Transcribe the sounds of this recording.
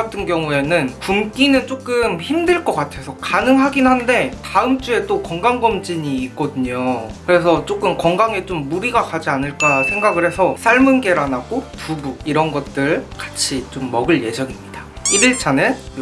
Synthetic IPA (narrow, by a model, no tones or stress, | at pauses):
atʰɯnɡjʌŋue̞nɯnkumk͈inɯnt͡ɕ͈ok͈ɯmçimdɯɭk͈ʌk͈atʰe̞sʰʌkanɯŋɦaɡinɦande̞taɯmt͡ɕ͈ue̞t͈okʌŋɡaŋɡʌmd͡ʑiɲiːk͈ʌdɯɲokɯɾe̞s̬ʰʌt͡ɕ͈ok͈ɯmkʌŋɡaŋe̞t͡ɕomːuɾiɡakad͡ʑianɯɭk͈asʰe̞ŋɡaɡɯɾɦe̞sʰʌs͈ʰaɭmɯnɡe̞ɾanaɡopubuɡ̚iɾʌnɡʌt̚t͈ɯɭkḁt͡ɕʰit͡ɕomːʌɡɯɭje̞d͡ʑʌŋimmɲid̥aibiɭt͡ɕʰane̞